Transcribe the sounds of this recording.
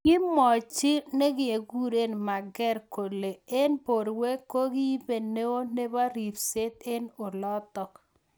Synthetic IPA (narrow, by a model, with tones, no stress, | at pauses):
kɪ˦mɔ˨t͡ʃɪ˦ne˦ɡɪ˦e˨ɡu˦ɾe˦nma˨ɡɛ˦ɾko˨le˨e˦npo˨ɾwe˦ko˦ɡɪ˦be˨ne˦o˦ne˦ba˦ɾi˨fse˦t̪e˦no˨lɔ˦t̪ɔ˨k